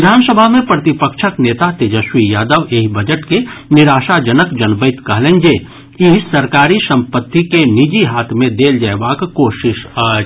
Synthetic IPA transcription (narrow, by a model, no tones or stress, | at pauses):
ʋɪd̪ʱaːnsəbʱamẽpɾət̪ɪpəkʃʰəkneːt̪at̪ed͡ʒəʃwijaːd̪əʋeːɦibəd͡ʒəʈkenɪɾaːʃad͡ʒənəkd͡ʒənbəɪt̪kɐɦlẽːnd͡ʒeː | iɦsɐɾkaːɾisɐ̃mpət̪ːikenid͡ʒiɦaːt̪ʰmẽd̪eːld͡ʒəɛʋaːkkoːʃɪʃ